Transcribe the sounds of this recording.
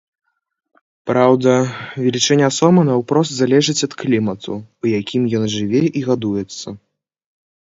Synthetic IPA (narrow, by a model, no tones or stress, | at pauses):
pɾawd̪ɐvʲɛlʲit͡ʂɛnʲːɛasɔmɐnɐwpɾɔs̬t̪zalʲɛʐɨt͡sʲɐt̪klʲimɐt̪ʰṵujakʲimjɔnʐɨvʲɛʔiɣad̪ujɛt̪sːɐ